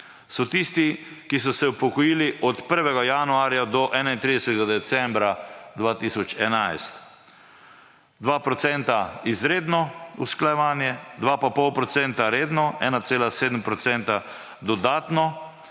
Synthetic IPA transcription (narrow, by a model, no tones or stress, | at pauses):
sɔt̪ist̪ikis̬ɔsɛupɔkɔjiːliʔɔt̪pəɾʋɛɡajanuaːɾjad̪ɔʔɛːnaint̪ɾid̪ɛsɛt̪ɛɡad̪ɛsɛ̃mbɾad̪ʋaːt̪isɔt͡ʃɛnajst̪ | d̪ʋapɾɔt̪sɛnt̪aizɾeːd̪nɔṵsklajɛʋaːnjɛd̪ʋapapɔwpɾɔt̪sɛnt̪aɾeːd̪nɔɛːnat̪seːlaseːd̪əmpɾɔt̪sɛnt̪a | d̪ɔd̪aːt̪nɔ